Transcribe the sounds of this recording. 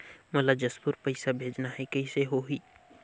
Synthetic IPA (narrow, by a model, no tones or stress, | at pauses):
mɐlad͡ʒɐspuɾpɐɪsabʱeːd͡ʒnaɦɛkɐiseɦoɦiː